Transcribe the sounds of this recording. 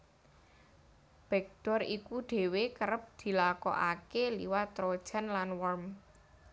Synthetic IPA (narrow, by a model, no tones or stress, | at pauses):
b̥ɛk̚ɖ̪̥ɔrikuɖ̥e̤wekəɾəp̚d̪̥i̤lakɔ̰ʔa̰kelḭwat̪ɾod̥ʒ̥a̤nlanwɔrm